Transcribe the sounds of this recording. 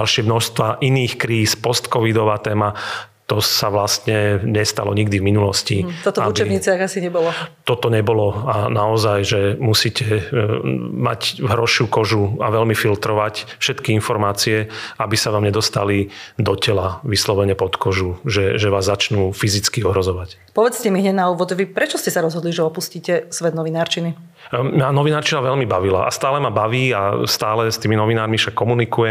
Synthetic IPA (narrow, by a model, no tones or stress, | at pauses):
alʃɪɛmnɔʃst̪ʋaʔiniːxkɾiːspɔst̪kɔʋid̪ɔʋaːt̪ɛːmat̪ɔsaʋlast̪ɲɛɲɛst̪a̰lɔɲiɡd̪ivminulɔsciɔt̪ɔut͡ʃɛɲiːt͡siaɣasiɲɛbɔlɔt̪ɔt̪ɔɲɛbɔlɔanaɔzajʒɛmusiːcʰɛ | ma̰cɦɾɔʃukɔʒuaʋɛlmifilt̪ɾɔʋacfʃɛt̪kiinfɔɾmaːt͡siɛabisaʋaːmɲɛd̪ɔst̪alid̪ɔcɛlaʋislɔʋɛɲɛpɔt̪kɔʒuʒɛʒɛʋaːzːat͡ʃnuːfizit͡skiɔɦɾɔzɔʋac | pɔʋɛt͡scɛmiɦɲɛd̪nauːʋɔd̪ʋipɾɛt͡ʃɔscɛsaɾɔzɦɔd̪liʒɛɔpusciːcɛsʋɛd̪nɔʋinaːɾt͡ʃini | manɔʋinaːɾt͡ʃinaʋɛʎmibaʋila̰ʔa̰st̪aːlɛmabaʋiːast̪aːlɛst̪iːminɔʋinaːɾmiʃakːɔmunikujɛ